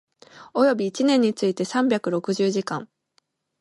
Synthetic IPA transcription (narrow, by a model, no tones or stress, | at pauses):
o̞jo̞bʲiːt͡ɕinẽ̞ɲ̟ːit͡sɨit̪e̞sãmbʲakɯ̟ɾo̞kɯ̟ʑɨːʑikã̰ŋ